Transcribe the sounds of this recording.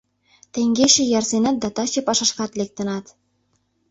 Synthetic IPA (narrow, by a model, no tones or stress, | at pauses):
t̪eŋɡeʃĕjɑrzenɑt̪̚d̪ɑt̪ɑt͡ɕɤ̆pɑʃɑʃkɑt̪lek̚t̪ə̆nɑt̪